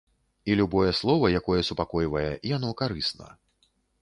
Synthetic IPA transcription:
ilʲubɔjɛslˠɔvɐjakɔjɛsupakɔjvɐjɛʔijan̪ɔkaɾɨsnɐ̰

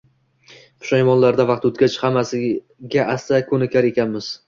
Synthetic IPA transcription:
pʰʊ̥ʃajmɒnlaɾd̪avɑq̚t̪ɵt̪̚kʲat͡ʃhamːasɪ | ɡʲaʔast̪akʰɵnɪkʲʰaɾe̞kʲʰanmɪz̥

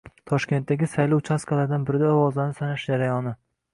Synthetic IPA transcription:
t̪ʰɒʃkʲe̞nt̪̚ːaɡʲɪsajlɒwt͡ʃʰaskʰalaɾd̪anbɪɾɪd̪aɒwɒzlanɪsanaʃd͡ʒaɾajɒnɪ

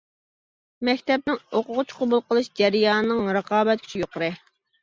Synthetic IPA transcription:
mɛkʲt̪ɛp̚nɪŋoqʊʁʊt͡ʃʰqʰʊbulˠqəlˠɨʃd͡ʒɛɾɨjɑːnɨnɨŋɾəqʰɑːbɛt̪̚kʲʰy̥t͡ʃʰijoqʊɾɨ

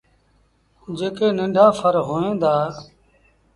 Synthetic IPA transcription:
d͡ʒeːkeːnɪ̃ɳɖʱaːfʰəɾɦoːẽːd̪aː

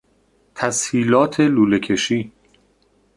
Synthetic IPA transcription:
t̪ʰæshiːlɒːt̪ʰe̞luːlecʰe̞ʃiː

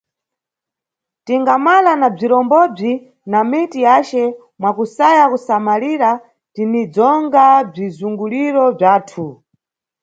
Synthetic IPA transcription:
tiŋɡamalanab͡ʐiɾɔmbɔb͡ʐi | namitijat͡ʃɛ | mwakusajakusamaliɾa | tinid͡zɔŋɡab͡ʐizuŋɡuliɾɔb͡ʐaːtʰu

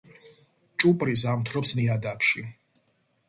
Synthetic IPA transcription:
t͡ʃʼupʼɾis̬amt̪ʰɾɔpsmiad̪akʃi

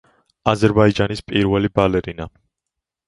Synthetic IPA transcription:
azɛɾbaid͡ʒanispʼiɾvɛlibalɛɾina

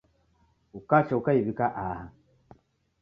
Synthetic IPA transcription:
ukat͡ʃaukaiβikaʔaha

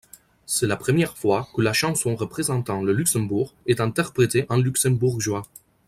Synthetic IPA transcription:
sɛlapχəmjɛʁfwakəlaʃɑ̃sɔ̃ʁəpχezɑ̃t̪ɑ̃ləlyksɛ̃buʁɛt̪ɛ̃t̪ɛʁpχet̪eʔɑ̃lyksɛ̃buʁʒwa

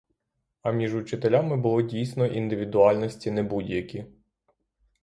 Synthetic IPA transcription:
ɐmʲiʒut͡ʃɪt̪elʲamɪbʊlˠɔdʲijsnɔʔind̪ɪʋʲid̪ʊɑlʲnɔsʲtʲinɛbudʲjɐkʲi

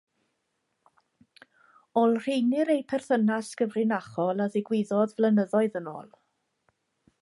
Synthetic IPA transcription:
ɔlˠr̥ejnɪɾejpʰɛr̥θənaskəvrɪnaχɔlˠaðɪɡwɪðɔðvlənəðɔɨðəno̰ːlˠ

